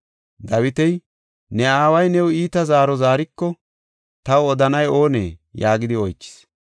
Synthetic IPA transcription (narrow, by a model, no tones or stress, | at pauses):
d̪ɐwɪt̪ɛj | nɛaːwɐjnɛwiːt̪ɐzaːɾɔzaːɾɪkːɔ | t̪ɐwɔd̪ɐnɐjo̞ːnḛːjaːɡɪd̪ɪɔjt͡ʃːɪ̥s